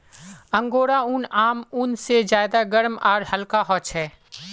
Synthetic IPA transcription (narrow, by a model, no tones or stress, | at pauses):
ə̃ŋɡoːɽaʊnaːmʊnsezjaːɪd̪aɡəɾmɔːɾhəlkaɦɔːt͡ʃɦɛː